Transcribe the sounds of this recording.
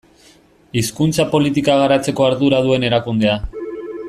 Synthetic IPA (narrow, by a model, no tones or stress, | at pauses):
iskunt͡sapo̞lit̪̬ikaɣaɾat͡se̞ko̞aɾðuɾaðue̞ne̞ɾakund̪e̞a